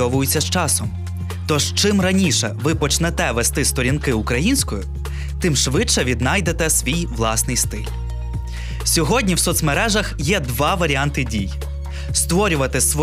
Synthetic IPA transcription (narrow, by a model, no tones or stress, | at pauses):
ɔʋʊjʊt͡sʲːɐst͡ʃɑsɔm | t̪ɔʒt͡ʃɪmrɐnʲiʃɛ̰ʋɪpɔt͡ʃnɛt̪ɛʋɛst̪ɪst̪ɔɾʲinkɪukɾɐjinʲsʲkɔjʊ | t̪ɪmʃʋɪt͡ʃːɛʋʲid̪nɑjd̪et̪ɛsʋʲijʋlˠɑsnɪjst̪ɪlʲ | sʲɔɦɔdʲnʲiwsɔt̪smeɾɛʒɐxjɛd̪ʋɑʋɐɾʲiɑnt̪ɪdʲij | st̪ʋɔɾʲʊʋɐt̪ɪsʋɔ